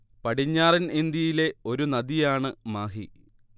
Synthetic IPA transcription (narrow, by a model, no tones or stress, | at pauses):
pɐʈiɲːaːrinind̪jɐjile̞o̞ɾunɐd̪ijaːɳɨmaːɦi